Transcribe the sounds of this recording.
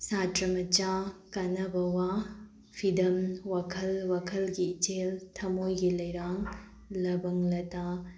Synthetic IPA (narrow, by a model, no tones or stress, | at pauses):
satɾɐmɐt͡ʃakɐnɐbɐwa | pʰidɐmwakʰɐlwakʰɐlɡiːt͡ʃeltʰɐmojɡilɐjɾaŋ | lɐbɐŋlɐta